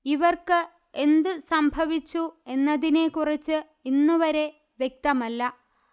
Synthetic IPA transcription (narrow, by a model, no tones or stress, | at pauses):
iʋɐrkɨ | e̞nd̪ɨsɐmbʱɐʋit͡ɕːue̞nːɐðine̞kurit͡ɕːɨ | inːuʋɐɾe̞ | ʋjek̚t̪ɐmɐlːɐ